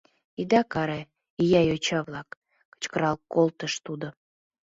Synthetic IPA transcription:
id̪ɑkɑɾe | ijɑjot͡ɕɑβlɑk | kə̥t͡ɕkəɾɑlˠkolˠt̪əʃt̪ud̪o

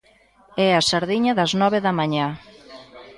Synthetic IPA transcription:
ɛasaɾðiɲɐðɐznɔβ̞eðɐmaɲa

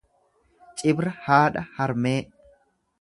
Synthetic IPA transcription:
t͡ʃʼɪbɾɐhaːᶑɐhɐɾmeːʔ

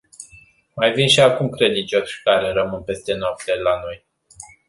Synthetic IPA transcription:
majvinʃiakumkɾe̞d̪int͡ʃo̞sʲkaɾeɾəmɨnpe̞st̪e̞noap̚t̪e̞lano̞j

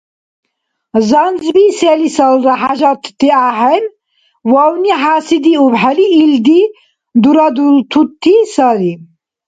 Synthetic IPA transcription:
zanzbiselisalɾaħaʒat̪ʰt̪iaːɦɛn | wawniɦaːsid̪iubħaliːld̪i | d̪uɾad̪ult̪ʰut̪ʰːisali

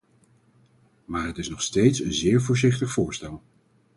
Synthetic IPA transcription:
maːɹɦətɪsnɔχstejtsənzɪːɹvʊːɹzɪχtəχfʊːɹstɛlˠ

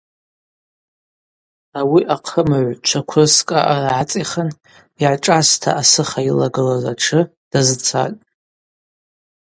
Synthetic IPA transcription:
awiʔaqʰəmaʕʷt͡ʃʷʰakʷʰʊskʼa̰ʔaraʕat͡sʼiχən | iʕaʈ͡ʂʼastʰa̰ʔasɨχailaɡɨlazaʈ͡ʂʰɨ | d̥azɨt͡sʰa̰tʼ

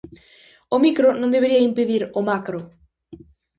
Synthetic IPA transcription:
omikɾonõnd̪eβeɾiɐimpeðiɾomakɾo

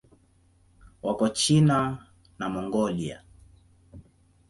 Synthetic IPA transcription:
wʔakɔt͡ʃina | namɔŋɡɔlia̰

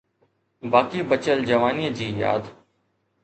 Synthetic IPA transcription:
baːkiːbət͡ʃəld͡ʒəʋaːniəd͡ʑiːja̰ːd̪

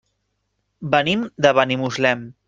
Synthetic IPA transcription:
bənimd̪əβanimuzlɛm

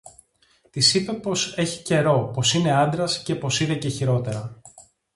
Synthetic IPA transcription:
t̪isipe̞po̞se̞çi̥ce̞ɾo̞po̞sine̞ɐnd̪ɾɐsce̞po̞siðece̞çiɾo̞t̪e̞ɾɐ

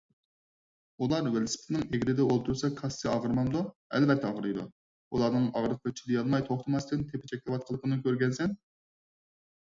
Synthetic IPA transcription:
ulˠɑɾwelɪsɪ̥pʰɪt̪nɪŋeɡʲiɾɪd̪ɛolˠt̪ʰuɾsɑkʰɑsːɨɑʁəɾmɑnd̪uɛ̰lbɛt̪ʰːɛɑʁəɾɨjd̪ṵ | ulˠɑɾnɨŋɑʁɾəq̚ʰd̪ɨt͡ʃʰilijɑlˠmɑjt̪ʰoχt̪ʰɨmɑst̪ɪnt̪ʰepɪt͡ʃʰɛk̚ʲlˠɨwɑt̪̚qʰəlˠəpʰənɨkʲʰøɾɡʲɛnsɛn

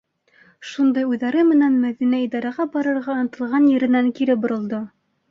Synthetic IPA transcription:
ʃund̪ɑjʉðæɾɘmɘ̆nænmæðinæid̪ɑɾɑʁɑbɑɾɤ̆ɾʁɑɤnɤ̆t̪ɤ̆lˠʁɑnjɘ̆ɾɘ̆næŋkiɾɘp̚bŏɾŏlˠd̪o

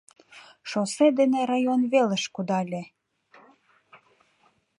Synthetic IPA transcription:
ʃosed̪eneɾɑjonβelə̆ʃkud̪ɑlʲĕ

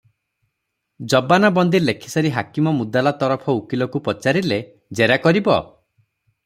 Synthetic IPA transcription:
d͡ʒɔbanabɔnd̪ilekʰi̥saɾiɦakimɔmud̪alat̪ɔɾɔpʰɔukilɔkupɔt͡ʃaɾile | d͡ʒeɾakɔɾibɔ

